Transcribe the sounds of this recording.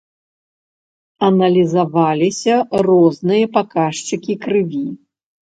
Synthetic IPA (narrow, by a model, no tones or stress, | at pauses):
ɐnɐlʲizavalʲisʲɐrɔznɨjɐpakaʂt͡ʂɨkʲikɾɨvʲi